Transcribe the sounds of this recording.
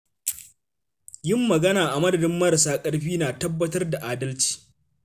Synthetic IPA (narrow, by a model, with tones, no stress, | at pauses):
jɪ˦mːɐ˨ɡɐ˦naː˨ʔa˨mɐ˦dɐ˨dɪ˦mːɐ˦ɾɐ˨s̬aː˦kʼɐ˦ɽɸiː˦naː˨tɐ˦bːɐ˦tɐ˦rda˨ʔaː˨dɐ˦lt͡ʃi̥ː˨